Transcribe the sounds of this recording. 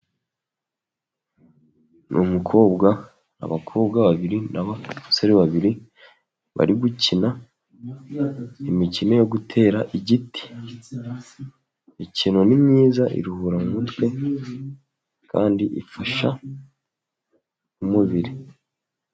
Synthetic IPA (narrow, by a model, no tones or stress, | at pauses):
nʔumukʰo̞ːbɡa | na̰βakʰo̞ːbɡaβaβiɾinaβasoɾeβaβiɾi | βa̰ɾiɡucina | imicine̞jo̞ɡutʰe̞ːɾaʔiɟiti̥ | icino̞nimɲiːzaʔḭɾuhuɾamumutwe̞ | kʰa̰ːndiʔḭfaʃa | umuβiɾi